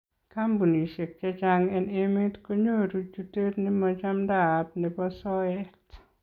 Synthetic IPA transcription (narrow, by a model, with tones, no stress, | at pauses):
ka˦mbu˨ni˨ʃe˨kɛ˦t͡ʃa˦ŋɛ˦ne˦me˦tko˦ɲo˦˨ɾu˦t͡ʃu˦te˦tni˦mɔt͡ʃa˦mda˨t̚nɛ˨bɔ˦sɔ˦ɛ˦t